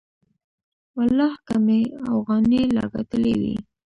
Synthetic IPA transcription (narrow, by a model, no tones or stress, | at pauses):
walːɑhkameafɣɑnelɑ̰ɡa̰t̪əlewḭ